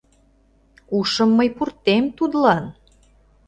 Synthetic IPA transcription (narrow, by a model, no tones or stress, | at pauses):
uʃə̆mːəjpurt̪emt̪ud̪lɑn